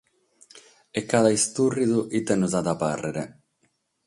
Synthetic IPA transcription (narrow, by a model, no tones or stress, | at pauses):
ɛkːaðaist̪urːiðuʔit̪ːɛnuzad̪aparːeɾe